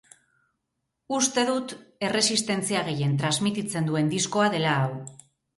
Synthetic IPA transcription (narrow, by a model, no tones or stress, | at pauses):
ust̪e̞ðut̪e̞re̞sist̪e̞nt͡siaɣ̞e̞je̞nt̪ɾazmit̪it͡se̞nd̪ue̞nd̪isko̞aðe̞laːw